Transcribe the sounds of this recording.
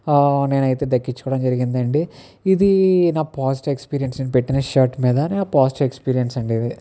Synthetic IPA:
ne̞ːnɐjit̪e̞ːd̪ɐkːit͡ʃːkɔːɽɐmd͡ʒɐɾiɡind̪ɐɳɖiː | d̪inaːpaːsʈe̞kspiːɾijɐnsneːnupe̞ʈːinɐʃaːɾʈmiːd̪ɐneaːpaːsʈekspiːɾijɐnsɐɳɖid̪i

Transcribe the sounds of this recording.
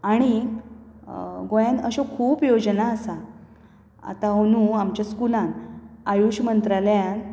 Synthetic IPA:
aɽ̃i | ɡojãnəɕokʰuːpjod͡ʑnaəsa | a̰t̪aɦonũamt͡ɕjaskulãnajuɕmənt̪ɾaljan

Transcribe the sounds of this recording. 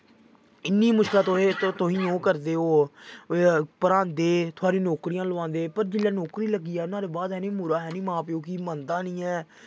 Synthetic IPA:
ɪnːiːmʊʃkɪlãːt̪ot̪oɦĩːõːkəɾd̪eːɦoː | pəɾãːnd̪eːt̪ʰʊaːɾĩːnoːkɾijãːlʊʋãːnd̪eːpəɾd͡ʒɪlːɛːnoːkɾiːləɡiːɛːʊnãːd̪eːbaːd̪ɦɛːnĩːmʊɾaːɦɛːniːmãːpɪoːkiːmənd̪ãːnĩːɛː

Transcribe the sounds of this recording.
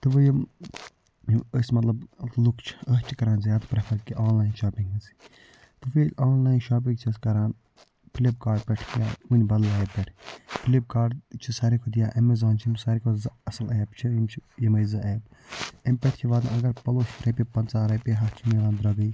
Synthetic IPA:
t̪ɨʋɨjɐ | əsmɐt̪lɐblukʰt͡ʃʰi̥əɦt͡ʃʰikɐɾaːnzjaːt̪pɾɐpʰɐɾkiʔaːnlaːjnʃaːpiŋɡɐsi̥ | t̪ɨfeːlʲaːnlaːjnʃaːp̬ĩŋɡt͡ʃʰiskɐɾaːn | pʰilib̚kaːɾɖ̚pʲɛʈʰkjaːmunʲbɐlɐjpːɛʈʰpʰilib̚kaːɖt͡ʃʰisɐɾikʰod̪ijaːʔɐmezaːnt͡ʃʰmsɐɾikʰozɐsɐleːbt͡ʃʰiimt͡ʃʰijɐmɐzɐʔeːbempʲɛʈʰkʲʰiʋaːd̪ãɐɡɐɾpɐloːʃɾɐpipɐnt͡saːɾɐpʲiɦɐht͡ʃʰimelaːnd̪ɾɐɡəj

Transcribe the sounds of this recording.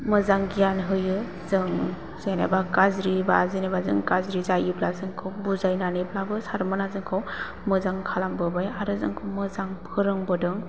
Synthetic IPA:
mɯzaŋɡijanɦɯjɯ | zɯŋ | zana̰bakazɾibazinebazɯŋkazɾizajiblazɯŋkʰawbuzajnanɯblabɯsaɾmanazɯŋkʰaw | mɯzaŋkʰalambɯbajaɾɯzɯ̰ŋkʰawmɯzaŋpʰɯɾɯŋbɯdɯŋ

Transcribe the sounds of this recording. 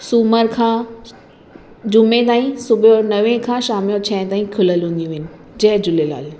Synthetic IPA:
suːməɾkʰãː | d͡ʑʊmẽt̪̬aːĩsʊbʱjonɐʋẽkʰãːʃaːmjot͡ɕʰɛ̃ːɪ̃t̪aːĩkʰʊləlɦũːn̆d̪ijũʋɦɪnɪ̆ | d͡ʑɐɦd͡ʑʊlela̰ːl

